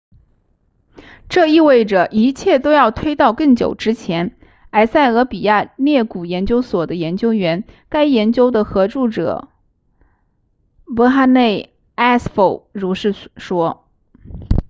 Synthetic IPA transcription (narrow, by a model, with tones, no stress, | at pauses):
ʈ͡ʂɤ˥˧i˥˧we˥˩ɪʈ͡ʂə˨˩ʔi˧˥t͡ɕʰjɛ˥˩t̪o˥ʊjɑ˥˩ʊt̪ʰwe˥ɪt̪ɑ˥˧ʊkɤ˥˩ŋt͡ɕjo̰˨˩ʊʈ͡ʂɻ̩˥t͡ɕʰjɛ˧˥n | a˧˥ɪsa˥˩ɪɤ˧˥pi˨˩ja˥˧ljɛ˥˩ku˨˩jɛ˧˥nt͡ɕjo˥ʊswɔ˨˩d̪ə˦jɛ˧˥nt͡ɕjo˥ʊɥɛ˧˥nka˥ɪjɛ˧˥nt͡ɕjo˥ʊd̪ə˨xɤ˧˥ʈ͡ʂu˥˩ʈ͡ʂɤ̰˨˩˦ | pɤ˧˥xa˥ne˥˩ɪ | a˥sfo˥˩ʊɻu˧˥ʂɻ̩˥˩ʂwɔ˥